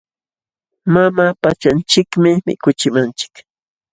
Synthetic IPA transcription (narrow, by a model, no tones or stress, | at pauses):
mamaːpat͡ʃant͡ʃɪkmɪmɪ̰kʊt͡ʃɪmant͡ʃɪ̥k